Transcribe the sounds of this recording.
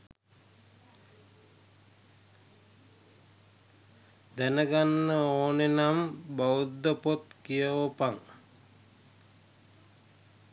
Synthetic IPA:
d̪ænəɡanːəoːnenambawud̪ːəpot̪kijəʋopaŋ

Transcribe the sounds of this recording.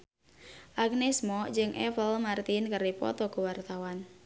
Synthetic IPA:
ʔak̚nɛsmɔd͡ʒɨŋʔɛpəlmart̪inkəripɔ̰t̪ɔkuwart̪awan

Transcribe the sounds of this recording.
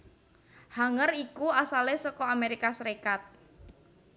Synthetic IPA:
haŋərikuasalesɔkɔameɾikasəɾekat̪̚

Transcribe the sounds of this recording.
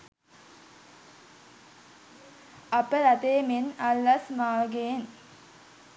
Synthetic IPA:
apəɾat̪eːmenalːasmaːɡen

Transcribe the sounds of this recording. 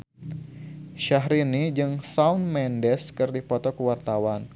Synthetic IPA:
ʃaɦɾinid͡ʒɨŋsaunmɛndɛskɨrdipɔt̪ɔkəwart̪awan

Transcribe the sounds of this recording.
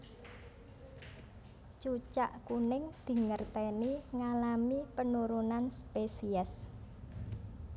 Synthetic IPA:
t͡ʃut͡ʃaʔkunɪŋd̪̥i̤ŋərt̪ɛniŋalamipənuɾunanspesiɛs

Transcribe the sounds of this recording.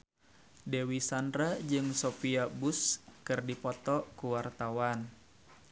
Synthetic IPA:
dewisandɾad͡ʒɨŋsofiabuskɨrdipɔt̪ɔkuwart̪awan

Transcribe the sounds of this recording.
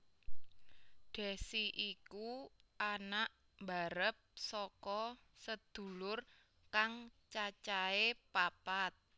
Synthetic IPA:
ɖ̪̥ɛ̤siʔikuanaʔ | mbaɾəp̚sɔkɔ | səd̪̥ṳlʊr | kaŋt͡ʃat͡ʃaepapat̪̚

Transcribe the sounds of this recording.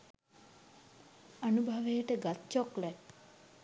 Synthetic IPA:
anubʱaʋejəʈəɡat̪t͡ʃɔklɛt

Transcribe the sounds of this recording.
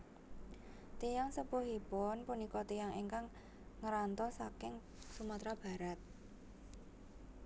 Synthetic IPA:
t̪ejaŋsəpuɦipɔnpunikɔt̪ijaŋeŋkaŋ | ŋəɾant̪ɔsakɪŋ | sumat̪ɾab̥a̤ɾat̪̚

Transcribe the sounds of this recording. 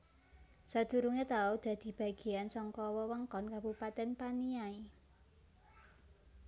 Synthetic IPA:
sad̪̥ṳɾuŋet̪aod̪̥ä̤d̪̥i̤b̥a̤ɡ̥i̤ansɔŋkɔwɔwəŋkɔnkabupat̪ɛnpaniai

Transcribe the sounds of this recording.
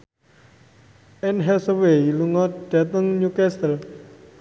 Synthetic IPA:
ʔɛnɦɛsəweiluŋɔt̪̚d̪̥a̤t̪əŋɲukɛst̪əl

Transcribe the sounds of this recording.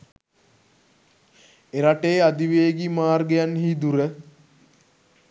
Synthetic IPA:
eɾaʈeːad̪iʋeːɡimaːrɡejanɦid̪uɾə

